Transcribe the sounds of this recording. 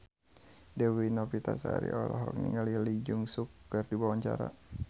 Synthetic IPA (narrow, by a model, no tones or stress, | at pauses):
dɛwinɔpit̪asaaɾḭʔɔlaɦɔ̰k̚nḭŋəlilid͡ʒuŋsukːərdibawaɲt͡ʃaɾa